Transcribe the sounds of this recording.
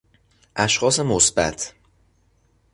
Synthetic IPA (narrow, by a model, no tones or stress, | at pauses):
ʔæʃxɒːse̞mosbæ̰t̪ʰ